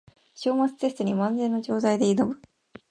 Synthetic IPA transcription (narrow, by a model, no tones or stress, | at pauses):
ɕo̞ːmat͡sɨ̥t̪e̞sɨ̥t̪o̞ɲ̟imãnzẽ̞ːnːo̞d͡ʑo̞ːzaid̪e̞inobɯ̟